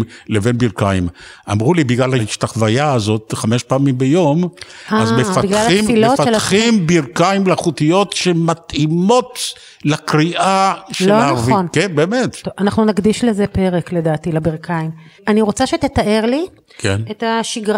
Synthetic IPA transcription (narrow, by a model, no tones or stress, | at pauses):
mlevenbiʁkaimʔa̰mʁulibiɡlalhaiʃt̪aχvajaːzo̞tχame̞ʃpaːmimbejo̞maazbefabiɡlalimfilofalaχimbiʁkaimlaχut̪ijo̞tʃemat̪imo̞t | lakʁiʔaʃelonavionkenbeːmettoanaχnunaɡd̪iʃlezepe̞ʁekle̞daːt̪ilabiʁkʰaim | aniʁo̞t͡saʃet̪et̪aʔe̞ʁli | kʰenetaʃiɡʁa